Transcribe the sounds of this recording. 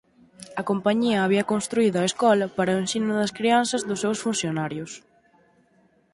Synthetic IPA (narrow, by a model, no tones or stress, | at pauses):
ɐkompaɲiɐːβiɐkonst̪ɾuiðʊɐeskɔlɐpaɾɐʊensinʊðɐskɾianθɐzðʊsewsfunθjonaɾjʊs